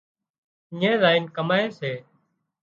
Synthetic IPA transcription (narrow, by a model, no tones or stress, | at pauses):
ɪːẽːɾaːiːnkəmaːeːseː